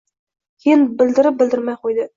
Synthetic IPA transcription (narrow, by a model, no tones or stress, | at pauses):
kʰʲenbɪld̪ɪɾɪp̚bɪld̪ɪɾmæjqʰojd̪ə